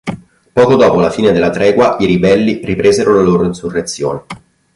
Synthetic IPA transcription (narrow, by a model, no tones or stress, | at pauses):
pɔːkod̪ɔːpolafiːned̪elːat̪ɾɛːɡwaiɾibɛlːiripɾeːzeɾolaloːɾoinsurːet̪sːjo̰ːne